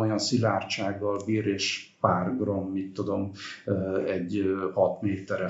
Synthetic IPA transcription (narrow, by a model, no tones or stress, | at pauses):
ojɒnsilaːrt͡ʃaːɡːɒlbiːɾeːʃpaːrɡrɒmːit̪ːud̪o̞m | ɛɟːhɒt̪meːt̪ɛɾɛ